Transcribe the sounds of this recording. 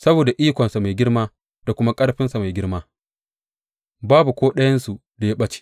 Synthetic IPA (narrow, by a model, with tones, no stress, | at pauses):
sɐ˦boː˨da˨ʔiː˦kʷɔ˨nsa˨ma˨jɡʲɪ˦ɽmaː˦ | d̥a˨kʷʊ˦ma˦kʼɐ˦ɽɸɪ˦nsa˨ma˨jɡʲɪ˦ɽmaː˦ | baː˦bu˨kʷoː˦ɗɐ˦jɐ˦nsu˨ | da˨ja˦ɓɐ˦t͡ʃi̥˨